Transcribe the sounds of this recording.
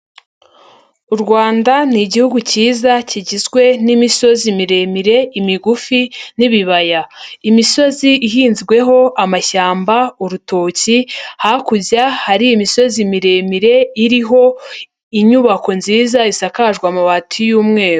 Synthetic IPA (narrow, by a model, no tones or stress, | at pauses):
uɾɡwaːndaniɟihuɡuciːzaciɟizɡwe̞nimiso̞zimiɾe̞miɾe̞imiɡufiniβiβajaimiso̞ziiɦiːnzɡwe̞ɦo̞ʔamaçaːmbauɾuto̞ːcihakuzahaɾiimiso̞zimiɾe̞miɾe̞iɾiɦo̞ | iɲuβako̞nziːzaisakaʒɡwamaβatʰujuːmŋe̞ːɾu